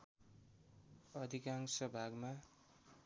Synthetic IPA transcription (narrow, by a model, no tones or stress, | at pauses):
ʌd̪ʱikaŋsʌbʱaɡma